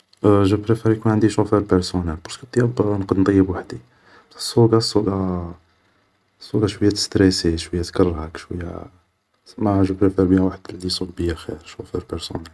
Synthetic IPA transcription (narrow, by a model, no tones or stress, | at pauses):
ʒubɾefeɾjkunʕənd̪iʃufəɾpəɾsunælpɑɾˤskət̪ːˤjɑbnqəd̪nt̪ˤɑjːəbwaħd̪i | sˤːuɡɑsˤːuɡɑ | sˤːuɡɑʃwəjːæt̪st̪ɾesiʃwəjːæt̪kərˤːɑɾhækʃwəjːæ̰ | maʕʒupɾefeɾbihæwaħəd̪lisˤubbəjæxḭɾʃofəɾpəɾsṵnæl